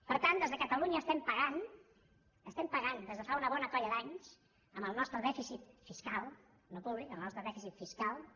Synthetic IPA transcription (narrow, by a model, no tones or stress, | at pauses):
pəɾt̪and̪ezðəkət̪əluɲəːst̪ɛmpəɣan | əst̪ɛmpəɣand̪ezðəfaunəβ̞ɔnəkɔʎəðaɲs | əmbəlˠnɔst̪ɾəðɛfisit̪fiskalˠ | nopuβlikəmlˠnɔst̪ɾəðɛfisit̪fiskalˠ